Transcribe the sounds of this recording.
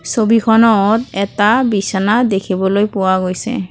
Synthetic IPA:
sobikʰɔnɔtɛtabisanadekʰibɔlojpʊwaɡojsɛ̰

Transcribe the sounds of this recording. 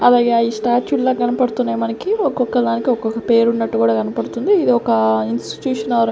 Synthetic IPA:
ɐlaːɡe̞ːaisʈaːɾt͡ʃuʈlaːɡɐnɐpɐɽut̪unːaːjmɐnɐkiɔkːɔkːɐld̪aːnikiɔkːɔkːɐpe̞ːɾunːɐʈːukuːɽaːkɐnɐpɐɽut̪und̪iːd̪iɔkɐinsʈi̥ʈjuːʂɐnɐʋɾ

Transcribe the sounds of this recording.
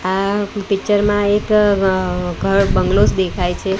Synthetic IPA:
apɪkt͡ʃəɾmãek | ɡʱəɾbəŋɡlosd̪ekʰajt͡ʃʰe

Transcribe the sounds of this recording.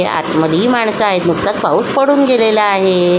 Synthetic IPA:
a̰t̪məd̪iːmaɳsəaɦet̪nuk̚t̪at͡spauspəɽuːnɡelelaːɦe

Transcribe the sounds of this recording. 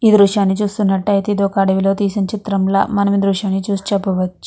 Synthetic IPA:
iːd̪ɾuʂjaːnːit͡ʃuːst̪unːɐʈːɐjt̪id̪okaːɽɐʋilo̞ːt̪iːsɐnt͡ʃit̪ɾɐmlɐ̰mɐnɐmid̪ɾuʂjaːnːit͡ʃuːst͡ʃɛpːɐʋɐt͡ʃːu̥

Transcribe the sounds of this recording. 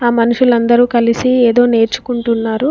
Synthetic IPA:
aːmɐnuʂulɐnd̪ɐɾuːkɐlisieːd̪o̞ːne̞ːɾt͡ʃu̥kuɳʈunːaːɾu

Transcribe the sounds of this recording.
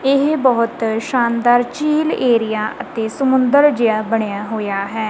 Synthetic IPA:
ɪɦbɔːʊt̪ʃaːnd̪aːɾt͡ʃiːleːɾɪjaːʔət̪eːsəmʊ̃nd̪əɾd͡ʒɪaːbəɳjaːɦoːjaːɦɛː

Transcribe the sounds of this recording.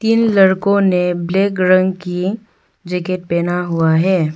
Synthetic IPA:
t̪iːnlɐɾkõnebleːkɾə̃ŋɡki | d͡ʒekeʈ̚pɛːnaɦuaɦɛː

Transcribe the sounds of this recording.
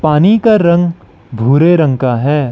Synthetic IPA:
paːnikaɾɐ̃ŋɡ | bʱuːɾeɾɐ̃ŋkaɦɛː

